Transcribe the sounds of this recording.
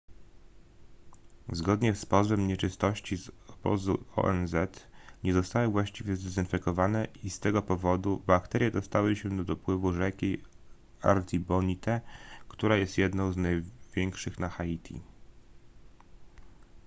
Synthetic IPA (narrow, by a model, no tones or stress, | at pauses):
zɡɔd̪ɲɛspɔzbɛmɲɛt͡ʂɘst̪ɔɕt͡ɕizɔb̥ɔ̰zuɔ̰ʔɛ̰nzɛt̪ɲɛzɔst̪awɘvwaɕt͡ɕivʲjɛzd̪ɛzɘnfɛkɔvanɛist̪ɛɡɔpɔvɔd̪ubakt̪ɛɾʲjɛd̪ɔst̪awɘɕɛd̪ɔd̪ɔpwɘvuʐɛkʲi | a̰ɾt̪ʲibɔɲit̪ɛkt̪uɾajɛst̪jɛd̪nɔ̃w̃znajvʲjɛŋkʂɘxnaxait̪ʲʰḭ